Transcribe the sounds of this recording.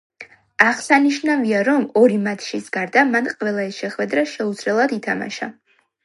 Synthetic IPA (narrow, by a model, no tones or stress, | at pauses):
aʁsaniʃnaviaɾɔmɔɾimat̪ʰʃisɡaɾd̪amanqʼvɛlˠaɛsʃɛχwɛd̪ɾaʃɛud̪z̥lɛlˠad̪it̪ʰama̰ʃa̰